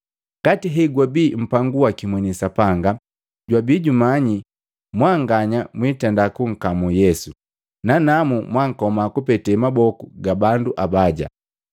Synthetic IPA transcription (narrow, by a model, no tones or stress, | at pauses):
ɡatiɦɛɡwabiːm̩paŋɡuakimwɛnisapaŋɡa | ɟwabiːɟumaɲi | mwaːŋɡaɲamwitɛndakuŋ̩kamujɛsu | nanamumwaŋ̩kɔmakupɛtɛmabɔkuɡabanduʔabaɟa̰